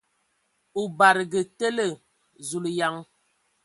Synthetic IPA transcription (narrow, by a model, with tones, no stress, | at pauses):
u˨ba˨ɾɡə˨tə˦lə˨ | zu˨lja˨˦ŋ